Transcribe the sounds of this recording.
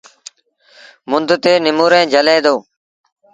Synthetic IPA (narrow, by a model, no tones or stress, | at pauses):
mʊnd̪ʱt̪eːnɪmuːɾẽːd͡ʒəlẽːd̪oː